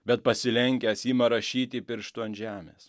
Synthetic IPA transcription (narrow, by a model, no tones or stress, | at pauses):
bʲɛt̪̚pɐsʲɪlʲɛŋʲkʲæːsjiːmɐɾɐʃʲiːt̪ʲɪpʲɪɾʃt̪uɐnʒʲæːmʲḛːs